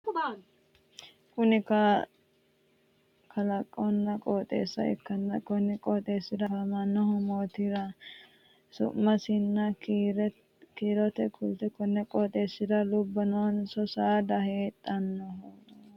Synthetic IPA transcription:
kʊnɪkɐ | kʰɐlɐkʼːɔnːɐkʼoːt̪ʼḛːsːɐ̰ɛ̰kːɐnːɐkʼɔnɪkʼoːt̪ʼeːsːɪd̪ɐfɐmɐnːɔhɔmoːt̪ɪɾɐ | sʊ̰mːɐsɪnːɐɾ | kiːɾɔt̪ɛkʰʊlt̪ɛkɔnːɛkʼoːt̪ʼe̞ːsːɪd̪ɐlʊbːɐnoːnsɔsaːd̪ɐheːt̪ʼːɐnːɔh

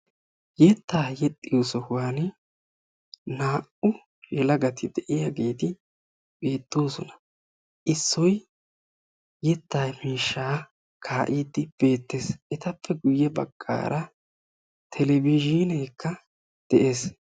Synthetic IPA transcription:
jɛt̪ːaːjɛt̪ʼːɪjoːsɔkʊwaːn | naːʔʊ | jɛlɐɡɐt̪ʰɪd̪ɛʔɪjaɡeːt̪ɪ | b̥e̞ːt̪ʼːoːsɔnɐ̥ | ʔɪsːɔj | jɛt̪ːaːjmiːʃːaː | kʰaːʔiːd̪ːɪb̥e̞ːt̪ːesʔɛt̪ɐpːɛɡʊjːɛbɐ̰ɡ̥ːa̰ːɾʔɐ | t̪ʰɛlɛbid͡ʒinɛːkːɐ | d̪̥ɛʔe̞ːs

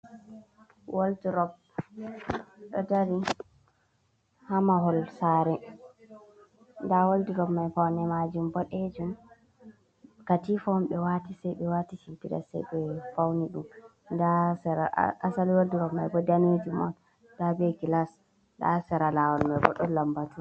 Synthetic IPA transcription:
woldiɾɔb̚ | ɗɔ̰daɾi | hamaɦɔlsaɾɛ | ndawoldiɾɔbmajfawnɛmad͡ʒumbɔɗɛd͡ʒum | katifɔmɓɛwatisɛjɓɛwatit͡ʃimpiɗa̰sɛ̰jɗɛfawniɗum | ndasɛɾa̰asaliwoldiɾɔbmajbɔdanitimɔ̰n | dabɛkilas | da̰sɛɾalawɔlmabɔ̰ɗɔlambatu

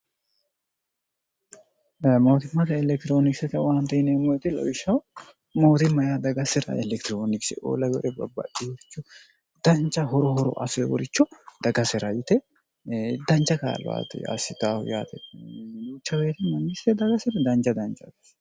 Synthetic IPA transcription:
moːt̪ɪmːɐt̪̬ɐɛlɛk̚t̪ɪɾoːnɪksɛt̪ɛwaːnt̪ɐɪnemojt̪ɛlɐ̰wɪʃɐw | mo̞ːt̪ɪmɐjad̪ɐɡɐsɪɾɐ̰ʔɛlɛkt̪ɪɾoːnɪksɪ̰o̰ːlɐjɔɾɛbɐ̰bːɐ̰diwɔɾɪt͡ʃːɔ | d̪̥ɐnt͡ʃːɐɦɔɾɔɦɔɾɔ̰ʔɐ̰sewɔ̰ɾɪt͡ʃːɔd̪̥ɐɡɐsɪɾɐjɪt̪ɛ | d̪ɐnt͡ʃɐka̰ːl̰a̰ːt̪ɛ̰ɐ̰sɪt̪ahʊja̰ːt̪ʰɛjuːt͡ʃːɐweːt̪ɪmɐŋɡɪst̪ɛd̪ɐɡɐsɪɾɐd̪ɐnt͡ʃɐd̪ɐnt͡ʃɐt̪

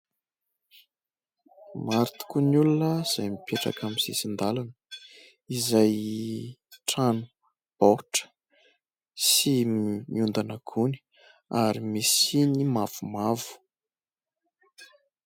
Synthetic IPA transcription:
maɾit̪u̥kunulunəz̥ajmipʰeʈ͡ʂa̰kʰamiz̥esind̪alanə | izaj | ʈ͡ʂanu̥ | b̥oʈ͡ʂə̥ | simmiund̪anakʰuni̥ | aɾimisinimav̥umavu̥

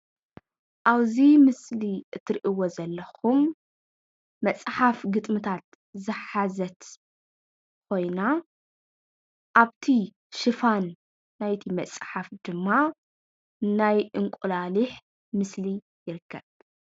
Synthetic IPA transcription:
ʔaβzimɨsliʔɨt̪ʰːɨɾʔiwozɐlːɐxum | ɐt͡sʼħafɡɨt̪ʼmɨt̪ʰat̪ | zɨħazɐt̪ | kʰo̞jna | ʔaβt̪ʰi | ʃɨfanː | ajt̪ʰimɐt͡sʼħafd̪̥ɨmːa | najɨŋkʷʼulalɨħ | mɨsli | jɪɾɨkːɐβ

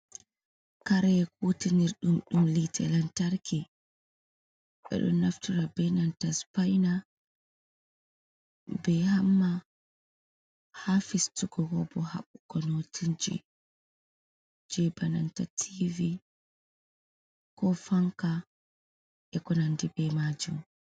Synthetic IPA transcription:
kaɾɛɛk̚utiniɾɗumɗumlitʰɛlantaɾki | ɓɛ̰ɗɔ̰nːaftuɾabɛnantaspajna | bɛhamːa | hafistuɡɔɡɔbɔha̰ɓukɔnotʰind͡ʒḭ | d͡ʒɛbanantatʰivi | kɔfaŋka | ʔɛkɔnandibɛmad͡ʒum

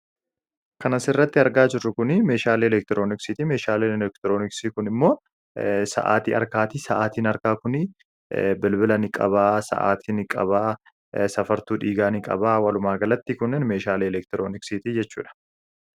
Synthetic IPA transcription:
kɐnɐsɪrːɐt̪ːɪɐɾɡaːd͡ʒɪrːʊkʊnɪmeːʃaːleːɛlɛk̚t̪ɪɾo̞ːnɪksɪt̪ime̞ːʃaːlinɛlɛk̚t̪ɪɾo̞ːnɪksikʊnɪmːo̞ː | sɐ̰ʔa̰ːt̪ḭːɐ̰ɾkaːt̪isɐʔaːt̪iːnɐɾkaːkʊnɪ | bɪlbɪlɐnɪkʼɐ̰βaːsɐ̰ʔa̰ːt̪ʰiːnɪkʼɐ̰βaː | sɐfɐɾt̪uːᶑiːɡaːnɪkʼɐ̰baːwɐlʊmaːɡɐlɐt̪ːikʊnːɛnmeːʃaːliːɛlɛk̚t̪ɪɾoːnɪksit̪id͡ʒɛt͡ʃːṵːᶑɐ̥

